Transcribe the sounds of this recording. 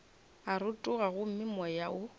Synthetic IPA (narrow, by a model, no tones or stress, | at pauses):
aɾʊtʼʊɣaɣʊm̩mɪmɔjaʊ